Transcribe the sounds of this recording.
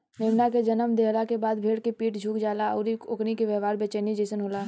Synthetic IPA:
meːmnaked͡ʒɐnəmd̪eɦlakebaːd̪bʱeːɽkepiːʈd͡ʒʱuːkd͡ʒaːlaɐ̰ʊɾioknikeʋjɛːʋaːɾbeːt͡ʃenid͡ʒeːsənɦoːlaː

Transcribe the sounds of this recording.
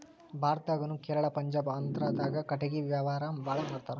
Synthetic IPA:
bʱaːɾɐt̪aɡɐnukɛːɾɐɭɐpɐɲd͡ʒaːbɐnt̪ɐɾaːd̪aːɡɐkɐʈɐɡiʋjaːʋaːɾambʱaːɭɐnɐɾt̪aːɾe

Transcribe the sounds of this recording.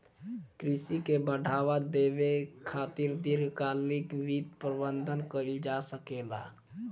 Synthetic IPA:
kɾisikebəɖ̤ʱaβad̪ebekʰat̪iɾd̪iɾɡkalikbit̪pɾəbənd̪ʱənkəɾld͡ʒasəkela̰

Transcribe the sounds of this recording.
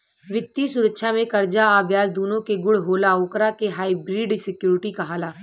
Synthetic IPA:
ʋɪt̪ːjisʊɾəkʃʰamẽkɐɾd͡ʒaaːbʱjaːsd̪uːnõkeɡʊɽɦoːlaoːkɾakeɦaːibɾiːɖsɪkjuːɾɪʈikaɦaːlaː

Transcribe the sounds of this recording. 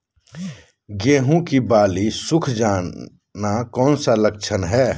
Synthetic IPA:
ɡeːɦũkibaːlisʊkʰd͡ʒaː | nakɔːnsalək̚t͡ʃʰənɦɛː

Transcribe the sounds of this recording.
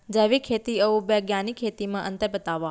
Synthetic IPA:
d͡ʒəʋikʰeːt̪iəũbeɡjaːnikʰːeːt̪imãʔənt̪əɾbət̪aːʋa

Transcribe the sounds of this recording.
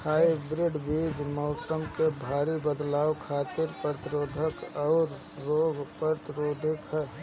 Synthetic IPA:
haːibɾɪɖbiːd͡ʒmɔːsəmkebʱaːɾibəd̪laːwkʰaːt̪ɪɾpəɾt̪ɪɾoːd̪ʱəkɔːɾː | oːɡpəɾt̪ɪɾoːd̪ʱɪkɦɛ

